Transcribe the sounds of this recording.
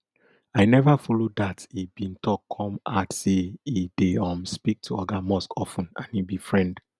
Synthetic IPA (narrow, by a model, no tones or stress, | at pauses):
aɪnɛvafɔlodatibĩntʰɔkʰːɔ̃matseideɔ̃mspik̚tʰuɔɡamɔskʰɔfũnã̰nibifɹɛ̃nd